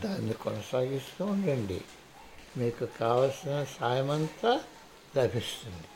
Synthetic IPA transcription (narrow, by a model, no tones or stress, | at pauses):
d̪aːnːikɔnɐsaːɡist̪uuɳɖɐɳɖḭ | miːkukaːʋɐsɐnɐsaːjɐmɐnt̪ɐ | lɐbʱist̪uɳɖi